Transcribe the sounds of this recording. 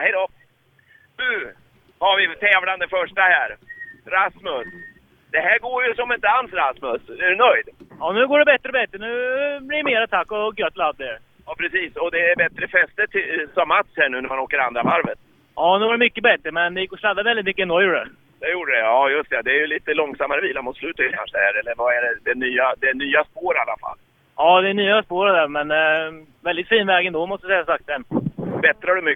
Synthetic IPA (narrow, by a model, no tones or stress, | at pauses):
hɛjd̪ɔ | nʉː | haɾvɪt̪ʰɛːvland̪əfœʂʈahæːɾɾasmɵs | d̪̥ɛɦæːɾɡoːɾjɵsɔmɪnt̪əalsɾasmɵsɛɾʉnœjd̪jɑnʉ̟ːɡoːɖɛbɛt̪ːɾəɔbɛt̪ːɾənʉ̟ːblɪjmeːɾat̪ʰakːɔɡœt̪ːlad̪d̪ɛɾ | jɑːpʰɾɛsiːsɔd̪ɛːɾbɛt̪ɾəfɛst̪əʈʰɪsɔmːat̪shæːɳʉ̟ːnæɾmanoːkəɾa̰nd̪ɾavaɾvə̰t̪̚ | ʔɑːnʉːvaɖɛmʏkːəbɛt̪ɾəmɛnd̪ɛjɪkːɔsad̪ːavɛlɪt̪mʏkːəɛnd̪ɔjuːɖə | d̪̥ɛjuːɖəɖɛɑːjɵst̪ɛad̪ɛːjɵliːt̪əlɔŋsamːaɾəviːlaɾmʊt̪slʉ̟ːt̪ajkʰa̰nʂəɛhæɾɛlːəɾvaɛɖɛd̪ɛnyːad̪ɛnyːaspoːɾalːa̰fa̰lː | ʔɑːd̪ɛnyːaspoːɾəd̪æɾmɛn | vɛld̪ɪt̪fiːnvɛːɡɛnd̪ɔmɔst̪sɛjasak̚t̪̚dɛnbɛt̪ɾəhaɖɵmʏ